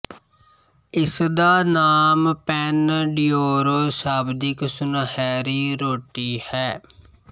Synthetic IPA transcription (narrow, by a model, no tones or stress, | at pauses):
ɪsd̪aːnaːmpɛːnɖijoːɾoːsaːbd̪ɪksʊnhɛːɾiːɾoːʈiːhɛː